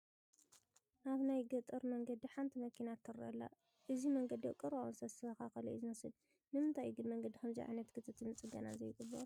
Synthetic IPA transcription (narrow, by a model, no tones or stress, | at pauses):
ʔaβnajɡɐt̪ʼɨɾmɐŋɡɐd̪iħant̪ʰimɐkʰinat̪ʰːɨɾʔɐ̰lːa̰ | ʔɨzimɐŋɡɐd̪iɐkʼɨɾawnsɐsɨɐkaxɐlɐ̰ʔzɨnɐsɨl | nɨmɨnt̪ʰajɡɨnmɐŋɡɐd̪ikʰɐmzḭʕa̰jnɐt̪kʰɨt̪ʰɨt̪ʰɨnɨt͡sʼɨɡɐna̰zɐjɡɨbɐ̰